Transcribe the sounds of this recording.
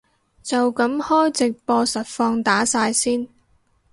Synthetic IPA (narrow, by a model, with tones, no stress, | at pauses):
t͡sɐ˨wkɐ˨˥mhɔː˥jt͡sɪ˨k̚pɔː˧sɐ˨t̚fɔː˧ŋt̪aː˨˥saː˧jsiː˥n